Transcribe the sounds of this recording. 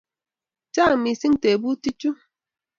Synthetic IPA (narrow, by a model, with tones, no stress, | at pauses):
t͡ʃa˦˨ŋ˨mi˨si˦ŋ˦te˨bu˦ti˦t͡ʃu˦